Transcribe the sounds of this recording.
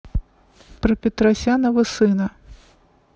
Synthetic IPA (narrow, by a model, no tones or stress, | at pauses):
pɾɐpʲɪt̪ɾasʲanɐvɐsɨnɐ